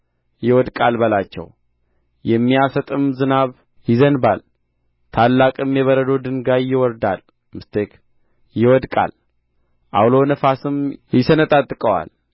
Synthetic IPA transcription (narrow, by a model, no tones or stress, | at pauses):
jɪwɔd̪kʼalbəlat͡ʃːɛ̰w | jɛmːijasət̪ʼɨmzɨnaβ | jɪzənbal | t̪ʰalːakʼɨmjɛβəɾəd̪o̞d̪ɨŋɡajːɪwɔɾd̪al | mɨst̪ʰek | jɪwɔd̪kʼa̰l | ʔawlo̞nəfasɨmjɪsənət̪ʼat̪ʼːɨkʼəwa̰l